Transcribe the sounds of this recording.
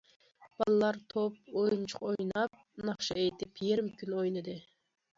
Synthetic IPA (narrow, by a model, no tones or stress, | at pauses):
b̥ɑlˠɨlˠɑɾt̪ʰopojunt͡ʃʰʊ̥qojnɑp̚nɑχʃɑejt̪ʰɪpjeɾɪmkʲynojnɨd̪ɨ